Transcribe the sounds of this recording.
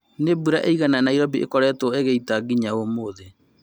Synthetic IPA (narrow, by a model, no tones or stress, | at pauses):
nebuɾaʔeiɣananaiɾɔbiʔḛkɔɾɛtwɔeɣeitaɡiɲaomoðe